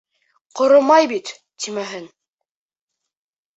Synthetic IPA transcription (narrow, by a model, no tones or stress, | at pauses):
qŏɾomɑjbit̪ | t̪imæɦɘn